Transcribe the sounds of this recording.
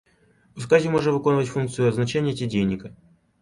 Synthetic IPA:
ʊskazʲɪmo̞ʐɨt̪vɨko̞nvətʲfunk̚t̪sɨjʊɐznɐt͡ɕenʲɪjətʲɪdʲejnʲɪkə

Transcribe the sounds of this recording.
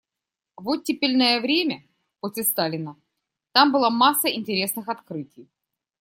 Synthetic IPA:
vot̪̚ʲːɪpʲɪlʲnəjəvɾʲemʲə | posʲlʲɪst̪alʲɪnə | t̪ambɨlˠamasːəɪnʲtʲɪɾʲe̞snɨxɐt̪kɾɨtʲɪj

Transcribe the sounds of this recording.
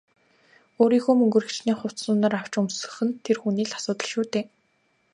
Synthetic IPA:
oːɾiːxoːmɵŋɡɵ̆rɘ̆xt͡ɕniːŋχʊw̥tt͡s̪sʊːnaːɾaw̥t͡ɕɵmsɵ̥̆xɘ̆nt̪ʰerxuniːɮḁsʊːt̪ə̆ɮʃuːt̪eː

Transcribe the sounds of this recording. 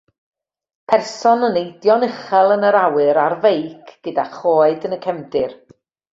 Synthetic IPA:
pʰɛrsɔnənejdjɔnɪχɛlˠənəɾawɨɾarvejkʰɡ̥ədaχoːɨdənəkʰɛmdɪr

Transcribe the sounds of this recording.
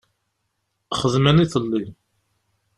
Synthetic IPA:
χəðməniθəlːi

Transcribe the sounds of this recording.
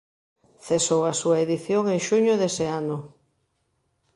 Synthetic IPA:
θesowasuɐeðiθjoŋeŋʃuɲʊðeseanʊ

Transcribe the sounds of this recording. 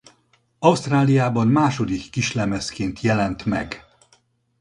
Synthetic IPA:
ɒust̪raːlijaːbɒnmaːʃo̞d̪ikːiʃlɛmɛskeːnt̪ʰjɛlɛnt̪mɛ̰ɡ

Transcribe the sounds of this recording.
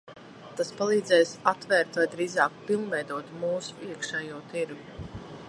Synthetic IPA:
t̪aspalˠiːd̪zɛjsat̪vɛːɾt̪vajd̪ɾiːzɑːkpilˠvɛjd̪uɔt̪muːsu̥iəkʃɛːjuɔt̪iɾɡu

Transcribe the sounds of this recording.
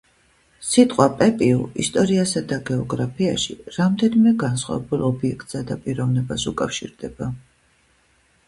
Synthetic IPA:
sit̪ʼqʼwapʼɛpʼiṵḭst̪ʼɔɾiasad̪aɡɛɔɡɾapʰia̰ʃḭɾamd̪ɛnimɛɡansχwa̰vɛbulˠɔbiɛkʰt̪ʼsad̪apʼiɾɔvnɛbasukʼafʃḭɾd̪ɛba

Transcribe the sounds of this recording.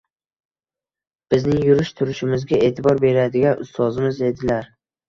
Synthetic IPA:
b̥ɪznɪŋjʊɾɪʃt̪ʰʊɾɪʃɪmɪzɡʲae̞ːt̪ʰɪbɒɾbe̞ɾad̪ɪɡʲanʊst̪ɒzɪmɪze̞d̪ɪlaɾ

